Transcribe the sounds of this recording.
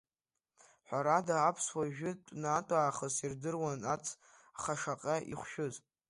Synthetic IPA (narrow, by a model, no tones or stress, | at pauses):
ħʷaɾadaːpʰswaʒᶣʊtʷʼnatʼaːχəsirdɨrwanat͡sʰ | aχaʂaqʼaʔḭχʷʃᶣʊz